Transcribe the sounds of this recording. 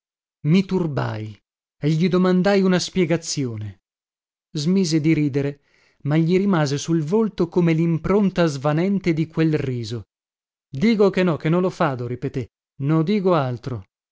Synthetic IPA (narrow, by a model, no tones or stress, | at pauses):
mit̪urba̰j | eʎːid̪omand̪ajunaspjɛɡat̪sːjoːne | zmiːzed̪iɾiːd̪eɾe | maʎːiɾimaːzesulvolt̪okomelimpɾont̪azvanɛnt̪ed̪ikwelriːzo | d̪iːkokenːɔkenːõnlofaːd̪oɾipet̪e | nod̪iːkoalt̪ɾo